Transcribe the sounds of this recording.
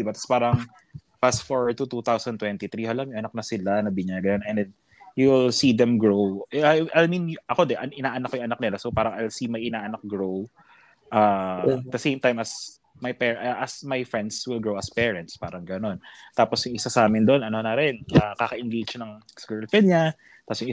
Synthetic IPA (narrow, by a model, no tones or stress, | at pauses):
d̪ɪbat̪ɐ̥spaːɾɐŋ | pasfoɹt̪ut̪ut̪awsɐnt̪wɛnt̪it̪ɾihɐlamjʊŋʔɐnɐk̚nɐsɪlanɐbɪɲaːɡɐnonɛnd̪ɛn | julsid̪ɛmɡɹowʔɐjmĩnʔɐko̞d̪ɛʔɐʔɪnaːʔɐnɐkːojʊŋʔɐnɐk̚nɪlasopaːɾɐŋʔɐlsimɐjʔɪnaːʔɐnɐk̚ɡɹow | ʔaːd̪ɐsẽjmt̪ajmɐs | mɐjpɛːʔʔɐsmɐjfɹɛnd̪swɪlɡɹowɐspɛːɹɐnt̪spaːɾɐŋɡɐno̞nt̪aːposjʊŋʔɪsasaːmɪnd̪oʔonɐnonɐɾɪnɐkaːkɐʔɪnɡet͡ʃnɐŋ | skɛɹlfɛd̪̚ɲa | t̪asjʊŋ